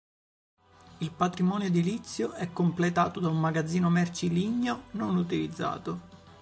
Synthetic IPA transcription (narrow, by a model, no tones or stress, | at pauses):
ilpat̪ɾimɔːnjod̪ilit̪sːjoɛkːomplet̪a̰ːt̪od̪aumːaɡad̪zːiːnomɛrt͡ʃiliɲːononut̪ilid̪zːa̰ːt̪o